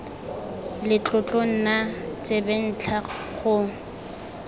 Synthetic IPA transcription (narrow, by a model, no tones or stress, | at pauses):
lɪt͡ɬʼʊt͡ɬʼoŋ̩nat͡sʼebɛn̩t͡ɬʰaχʊ